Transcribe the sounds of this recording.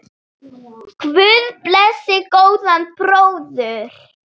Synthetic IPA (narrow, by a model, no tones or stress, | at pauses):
kʰvʏðplɛsɪkowðanpɾowðʏɾ̥